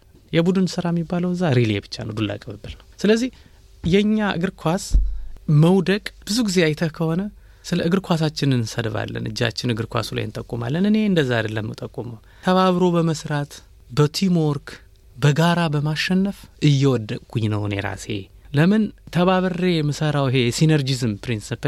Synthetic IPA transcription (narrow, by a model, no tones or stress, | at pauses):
jɛbud̪ɨnsɨɾajɛmːibːaləwɨzːaɾilebɨt͡ʃːa̰nə̰wd̪ulːa̰kʼbɨbɨlnəwsɨləzːih | jɛɲːaʔɨ̰ɡɨɾkʰwas | məwd̪əkʼb̥ɨzuɡizeajt̪ʰəkʰəho̞nə | sɨləɨɡɨɾkʰʷas̬at͡ʃːɪnɨnsəd̪əβa̰lːə̰nʔɨ̰d͡ʒːa̰t͡ʃːɪnɨɡɨɾkʷa̰sula̰jɨnt̪ʼəkʼːuma̰lːənɨne̞ɨnd̪əzːaad̪əlːəmːɨt̪ʼəkʼːuməw | t̪ʰəβaβɾo̞bəməsɾat̪ | bət̪ʰimoɾkʰ | bəɡaɾabəmaʃɛnːəfʔɨjːɛwɔd̪ːəkʼɡuɲnəwnḛɾa̰se̞̰ləmɨnt̪ʰəβaβɨrejɛmɨsəɾawɨɦe̞sinəɾd͡ʒizɨmpɾinsip